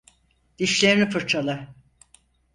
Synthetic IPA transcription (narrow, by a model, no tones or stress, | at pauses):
d̪̥iʃlʲeɾinifɯɾt͡ʃʰalˠa